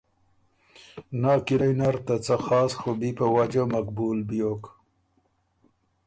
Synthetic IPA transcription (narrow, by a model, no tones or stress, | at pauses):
nɑːkiɾajnaɾt̪at͡saxɑːsxobipawad͡ʒamakbulbijok